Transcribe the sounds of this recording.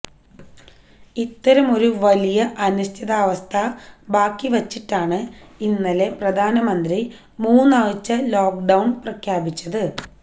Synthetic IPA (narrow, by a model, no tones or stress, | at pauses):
it̪ːɐɾɐmo̞ɾuʋɐlijɐʔɐnust̪ʰiðaːʋɐst̪ʰɐbaːkːiʋɐt͡ɕːiʈːaːɳɨinːɐle̞prɐd̪ʱaːnɐmɐnd̪ri | muːnːaɻt͡ɕːɐloːkɖɐwɳprɐkʰjaːbit͡ɕːɐðɨ